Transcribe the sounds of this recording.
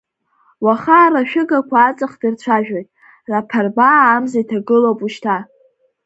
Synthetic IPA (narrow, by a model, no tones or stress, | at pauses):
waχaːraʃᶣɪɡakʷʰaːt͡sʼaχdɨrt͡ɕʷʰaʒᶣojtʼ | rapʰarbaːmzajtʰaɡɨlopʼuʃtʰa